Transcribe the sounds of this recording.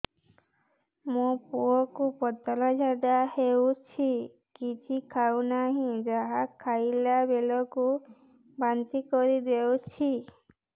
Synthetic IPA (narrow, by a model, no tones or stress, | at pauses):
mũpuɔkupɔt̪ɔlɔd͡ʒʱad̪ahewt͡ʃʰi | kit͡ʃʰikʰawnaɦĩd͡ʒaɦakʰːajlabelɔku | bant̪ikɔɾid̪ewt͡ʃʰi